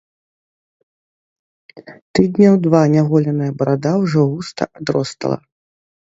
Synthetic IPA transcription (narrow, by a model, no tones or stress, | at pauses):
t̪ɨd̪nʲɐwd̪vanʲaɣɔlʲɐnɨjɐbɐɾad̪awʐɔɣust̪ɐ̰ʔad̪ɾɔst̪ɐ̰lˠɐ̰